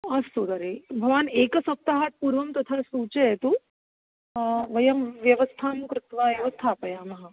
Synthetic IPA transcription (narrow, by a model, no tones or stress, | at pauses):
ɐst̪od̪ɐɾeːbʱɐʋaːneːkɐsɐp̚t̪aɦaːt̪̚puːɾʋɐmt̪ɐt̪ʰasuːt͡ʃeet̪u | ʋɐjɐmʋjɐʋɐst̪ʰaːmkɾɪt̪ʋaːeʋɐst̪ʰaːpɐjaːmɐɦa